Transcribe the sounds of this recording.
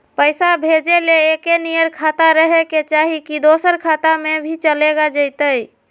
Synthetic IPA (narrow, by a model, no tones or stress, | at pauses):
pəɪsabʱed͡ʒeleːkenijəɾkʰat̪aɾəɦeket͡ʃaɦikid̪osəɾkʰat̪amebʱit͡ʃəleɡad͡ʒəjt̪əj